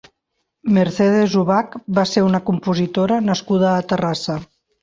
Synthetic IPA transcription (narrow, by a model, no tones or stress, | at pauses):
meɾsɛð̞ezuβakbaseɾunəkumpuzit̪oɾənəskuð̞əːt̪ərasə